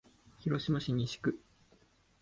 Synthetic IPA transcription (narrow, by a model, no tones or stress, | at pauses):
çiɾo̞ɕimaɕiɲ̟ʲiɕi̥kɯ̟